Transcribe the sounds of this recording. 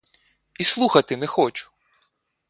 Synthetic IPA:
islˠuxɐt̪ɪnɛxɔt͡ʃʊ̥

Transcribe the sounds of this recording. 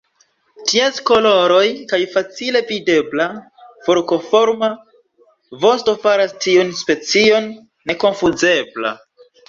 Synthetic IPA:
tiasko̞lo̞ɾo̞jkajfat͡sile̞vide̞bla | foɾko̞fo̞ɾma | vo̞sto̞faɾastiunspe̞t͡sio̞nː | e̞ko̞nfuze̞bla̰

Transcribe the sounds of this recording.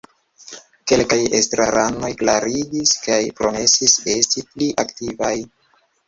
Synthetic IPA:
ke̞lkajḛstɾa̰ɾʔano̞jklaɾiɡiskajpɾo̞me̞sise̞stipliʔaktivaj

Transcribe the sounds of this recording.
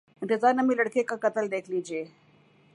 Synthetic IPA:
ɪ̃nt̪ɪzaːɾnɐmĩlɐɽkekakɐt̪əld̪eːkʰliːd͡ʒieː

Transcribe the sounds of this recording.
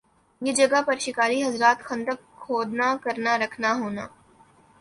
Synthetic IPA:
jed͡ʒɐɡapɐɾʃɪkaːɾiɦɐzɾaːt̪xɐ̃nd̪ək | xʰoːd̪nakɐɾnaɾɐkʰnaɦoːna̰ː

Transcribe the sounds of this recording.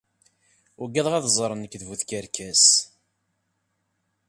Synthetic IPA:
ʊɡæðˤʁæðzˤɾˤənəkːðvuθkəɾkæs

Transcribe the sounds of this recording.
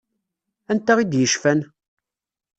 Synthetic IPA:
ænt̪ːæʁid̪jəʃfæn

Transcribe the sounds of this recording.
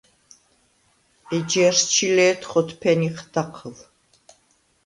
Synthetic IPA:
ɛd͡ʒɛɾst͡ʃʰilɛːt̪ʰχɔt̪ʰpʰɛniqʰd̪̥aqʰəl

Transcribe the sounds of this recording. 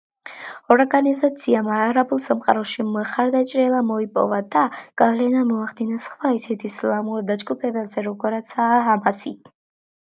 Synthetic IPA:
ɔɾɡanizat̪sʰiamaːɾabulˠsamqʼaɾɔʃimχaɾd̪at͡ʃʼɾɛlˠamɔipʼɔ̰vad̪aɡ̥avlɛnamɔaχd̪inɛsχvaisɛt̪ʰislˠamuɾd̪ad͡ʒɡupʰɛbɛbzɛɾɔɡɔɾat̪sʰaamasi

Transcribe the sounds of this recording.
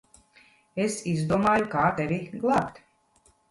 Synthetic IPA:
esizd̪uɔmaːjukaːt̪ɛviɡlˠapt̪

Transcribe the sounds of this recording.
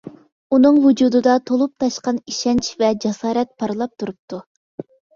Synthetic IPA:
unɨŋvud͡ʒuːd̪ɨd̪ɑt̪ʰolˠup̚t̪ʰɑʃqɑniʃɛnt͡ʃvɛd͡ʒɛsɑːɾɛt̪̚pʰɑɾɨlˠɑp̚t̪ʰuɾup̚t̪u

